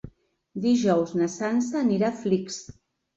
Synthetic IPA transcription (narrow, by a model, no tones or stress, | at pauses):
d̪iʒɔwznəsansəːniɾafliks